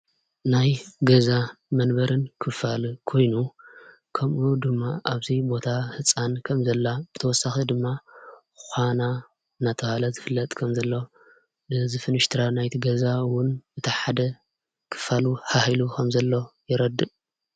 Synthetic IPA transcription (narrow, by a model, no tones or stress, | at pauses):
najɡɐzamɐnbɐɾɨnkʰɨfalkʰo̞jnu | kʰɐmʔud̪ɨmːaʔaβt̪ʰibo̞t̪ʰahɨt͡sʼankʰɐmzɐlːab̥ɨt̪ʰɐwɔsːaxid̪ɨmːa | xʷana | ɨnat̪ʰɐhalɐzɨfɨlːɐt̪ʼkʰɐmzɐlːo̞ | dɨzɨfɨnɨʃt̪ʰɨɾanajt̪ʰiɡɐzawʊnɨt̪ʰɐħad̪ɐ | kʰɨ̥faluhahilukʰɐmzɐlːo̞jɪɾɐd̪ːɨʔ